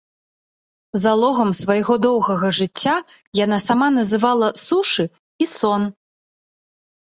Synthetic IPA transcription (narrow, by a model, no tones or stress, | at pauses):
zalˠɔɣɐmsvɐjɣɔd̪ɔwɣɐɣɐʐɨt͡sʲːa | janasamanɐzɨvalˠɐsuʂɨ | isɔn